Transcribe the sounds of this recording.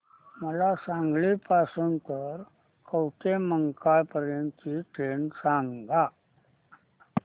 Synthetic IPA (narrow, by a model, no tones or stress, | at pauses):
məlasãŋɡlipasunt̪əɾ | kəwʈeməŋkaɭpəɾjənt̪iʈensaŋɡa